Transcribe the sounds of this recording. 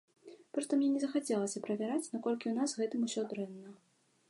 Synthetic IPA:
pɾɨt̪ɐmnʲɛnʲɛzɐxat͡sʲɛlˠɐsʲɐpɾɐvʲaɾat͡sʲnakɔlʲkʲiwnazɣɛt̪ɨmusʲɔd̪ɾɛnːɐ

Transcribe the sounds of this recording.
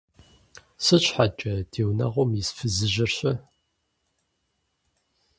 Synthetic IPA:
sɨɕħat͡ʃʼɐd̥eːwnɐ̰ʁʷɔmjisfɨzɨʒɪrɕɐ

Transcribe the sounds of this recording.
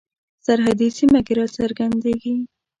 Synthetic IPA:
saɾɦad̪isimakeɾɑt͡saɾɡand̪eɡi

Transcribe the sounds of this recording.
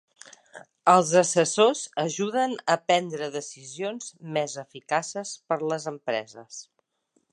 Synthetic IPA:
əlˠzəsəsozəʒuðənəpɛnd̪ɾəðəsizionz̥mezəfikasəspəɾləzəmpɾɛ̰zəs

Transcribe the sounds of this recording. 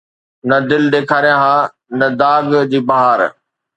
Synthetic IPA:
nɐd̪ɪld̪eːkʰaːɾijãɦaː | nɐd̪aːɡd͡ʑiːbɐɦaːɾ

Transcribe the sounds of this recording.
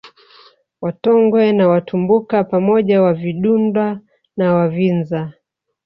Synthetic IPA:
watɔŋɡwɛnawatumbukapamɔʄawaviɗundwa | nawavinza

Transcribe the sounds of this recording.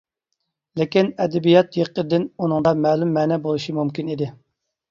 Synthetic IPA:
lɪkʲinɛd̪ɛbijɑt̪jeqːəd̪ɪnunɨŋd̪ɑmɛːlumːɛːnɛbolˠuʃimumkʲinid̪ɪ

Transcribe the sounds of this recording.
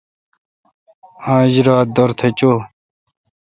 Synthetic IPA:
ãːʑɾaːt̪̚d̪oɾt̪ʰet͡ɕoː

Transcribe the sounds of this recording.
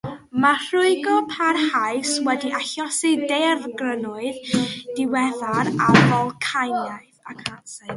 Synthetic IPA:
mar̥ʊɨɡɔpʰarhajswɛdiʔaɬɔsɪdɛrɡrənʊɨðd̥ɪwɛðaɾavɔlˠkʰajnjaɨðakʰansa

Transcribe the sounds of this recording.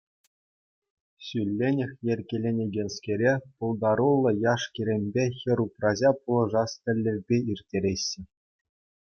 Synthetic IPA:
ɕylʲːenʲɘ̆xʲjerʲkʲelʲenʲeɡʲenʲskʲeɾʲepulˠd̪ɑɾulˠːɤ̆jɑʂkʲiɾʲemʲbʲexʲɘ̆ɾuprɑʑɑpulˠɤ̆ʐɑst̪ʲɘ̆lʲːɘ̆rʲbʲeirʲtʲeɾʲeɕːɘ̆

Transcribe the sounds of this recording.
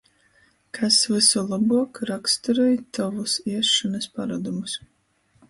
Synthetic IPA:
kʰasvɨsulˠabuɔkɾakst̪uɾɛjt̪avusiɛʃanɐspaɾad̪umus

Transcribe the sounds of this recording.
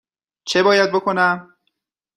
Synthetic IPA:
t͡ʃʰe̞bɒːjæd̪̚bo̞kʰo̞næm

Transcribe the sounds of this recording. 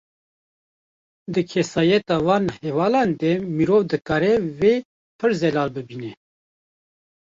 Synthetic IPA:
d̪ɨkʰɛsɑːjɛt̪ɑːwɑːnhɛvɑːlɑːnd̪ɛmiɾoːvd̪ɨkɑːɾɛweː | pʰɨɾzɛlɑːlbɨbinɛ

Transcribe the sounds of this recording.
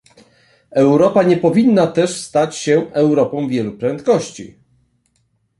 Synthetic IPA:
ɛwɾɔpaɲɛpɔvʲinːat̪ɛʂst̪at͡ɕɕɛɛwɾɔpɔ̃w̃vʲjɛlupɾɛnt̪kɔɕt͡ɕḭ

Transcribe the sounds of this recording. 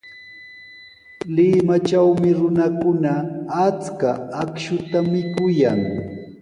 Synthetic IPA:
lɪmat͡ʃawmɪɾʊnakʊnaːt͡skaːkʃʊt̪amɪkʊjaŋ

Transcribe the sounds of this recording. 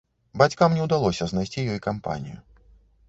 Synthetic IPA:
bat͡sʲkamnʲɛwd̪alˠɔsʲɐznajsʲt͡sʲijɔjkampa̰nʲḭjṵ

